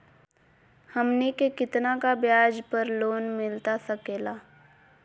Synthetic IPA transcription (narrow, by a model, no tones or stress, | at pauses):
hɐmnikekɪt̪nakabjaːd͡ʒpəɾloːnmɪlt̪asɐkeːlaː